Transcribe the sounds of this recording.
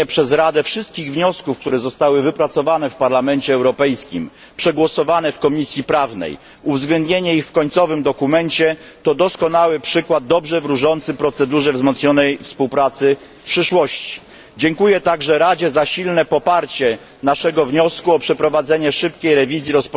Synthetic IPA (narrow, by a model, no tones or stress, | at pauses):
ɛpʂɛzɾad̪ɛfʂɘst̪̚kʲiɣvɲɔskufkt̪uɾɛzɔst̪awɘvɘpɾat̪sɔvan̪ɛfpaɾlamɛnt͡ɕɛːwɾɔpɛjskʲḭm | pʂɛɡwɔsɔvan̪ɛfkɔmʲisʲjipɾavnɛ̰j | uvzɡlɛnd̪ɲeɲɛixfkɔɲt̪sɔvɘmd̪ɔkumɛnt͡ɕɛt̪ɔd̪ɔskɔnawɘpʂɘkwad̪̚ːɔbʐɛvɾuʐɔnt̪sɘpɾɔt̪sɛd̪uʐɛvzmɔt̪sɲɔnɛjfspuwpɾat̪sɘ | fpʂɘʂwɔɕt͡ɕi̥ | d͡ʑɛŋkujɛt̪aɡʐɛɾad͡ʑɛzaɕilnɛpɔpaɾt͡ɕɛ | naʂɛɡɔvɲɔskuɔpʂɛpɾɔvad̪zɛɲɛʂɘpkʲejɾɛvʲizʲjiɾɔspɔ